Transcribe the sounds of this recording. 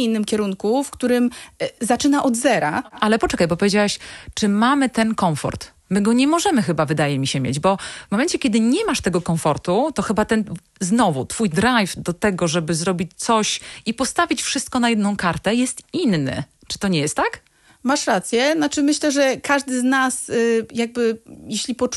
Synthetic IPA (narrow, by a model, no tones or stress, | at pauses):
inːɘmkʲɛɾuŋkufkt̪uɾɘmzat͡ʂɘnaʔɔd̪zɛɾa̰ʔalɛpɔt͡ʂɛkajbɔpɔvjed͡ʑawɛɕt͡ʂɘmamɘt̪ɛnkɔɱfɔ̰ɾt̪ | mɘɡɔɲɛmɔʐɛmɘxɘbavɘd̪ajɛmʲiɕɛmʲjḛd͡ʑbɔmɔmɛnt͡ɕɛkʲɛd̪ɘɲɛmaʂt̪ɛɡɔkɔ̃fɔɾt̪ut̪ɔxɘbat̪ɛn | znɔvut̪fujd̪ɾajvd̪ɔt̪ɛɡɔʐɛbɘzɾɔbʲit͡ɕt̪sɔɕipɔst̪avʲit͡ɕfʂɘst̪̚kɔnajɛd̪nɔ̃w̃kaɾt̪ɛjɛst̪inːɘ̰ | t͡ʂɘ̥t̪ɔɲɛjɛst̪ːak | maʂɾat̪sʲjɛnat͡ʂɘmɘɕlɛʐɛkaʐd̪ɘznasjaɡ̚bɘjeɕlʲipɔ